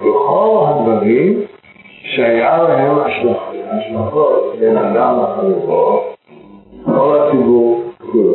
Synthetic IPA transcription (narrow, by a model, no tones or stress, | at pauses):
beχo̞lɦad̪vaʁim | ʃeajalaɦemaʃlaχaʃlaχot̪̚benad̪amaχavuʁo | kolhat͡sibuʁkul